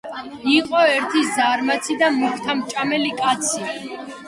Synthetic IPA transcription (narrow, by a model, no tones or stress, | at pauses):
iqʼɔɛɾt̪ʰizaɾmat̪sʰid̪amukʰt̪ʰamt͡ʃʼamɛlikʼat̪sʰi